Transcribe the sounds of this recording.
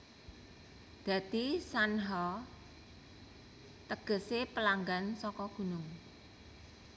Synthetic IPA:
d̪̥ä̤t̪isanɦɔ | t̪əɡ̥ə̤sepəlaŋɡansɔkɔɡ̥ṳnʊŋ

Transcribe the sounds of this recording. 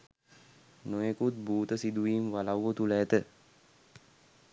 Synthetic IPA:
nojekut̪̚buːt̪əsid̪uʋiːmʋalawːət̪ulɛːt̪ə

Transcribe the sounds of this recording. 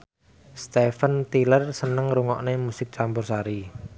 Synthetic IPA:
st̪efənt̪ilərsənəŋɾuŋɔʔnemusɪk̚t͡ʃambʊrsaɾi

